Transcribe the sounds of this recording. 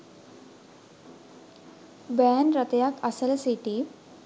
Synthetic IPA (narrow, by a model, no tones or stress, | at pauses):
bɛnɾət̪jakasəlsiʈi